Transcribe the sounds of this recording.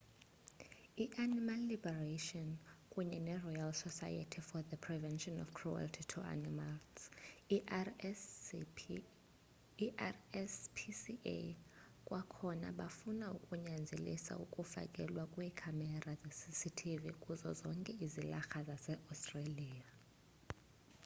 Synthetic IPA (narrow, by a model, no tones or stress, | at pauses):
iʔanimalːibɛraʃɔnkʼuɲɛnɛrɔjalsɔsa̰ja̰tʰifɔðəpʰrivɛnʃɔnɔ̰fkʰrua̰ltʰitʰua̰nimals | spʰsḭ | kʼwʔakʰɔna̰ɓafunaukʼuɲand͡zʱelḭsa̰ukʼufa̰kʼɛlwakʼwiːkʰamɛrazesisitʰivikʼuzɔ̰zɔŋkʼɛizilaxazasɛʔastʼraliːa